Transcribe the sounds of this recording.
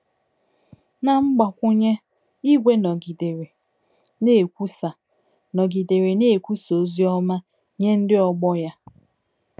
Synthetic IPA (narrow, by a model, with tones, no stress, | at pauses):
na˨ŋ͡m̩˦ɡ͡ba˨kʷʊ˦ɲe˦ | i˦ɡʷe˦nɔ˨ɡi˨de˨ɾe˨ | ne˦˨kʷu˦sa˨ | nɔ˨ɡi˨de˨ɾe˨ne˦e˨kʷu˦so˨˦zi˦ɔ˦ma˦ | ɲe˦n̩˦dɪ˦ɔ˦ɡ͡bɔ˦ja˦